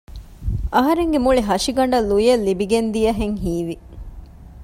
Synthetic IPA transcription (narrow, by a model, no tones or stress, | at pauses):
ʔɐɦɐɾeŋɡemuɭiɦɐʃiɡɐɳ̆ɖɐlːujɐlːibiɡend̪ijɐɦeŋɦiːʋi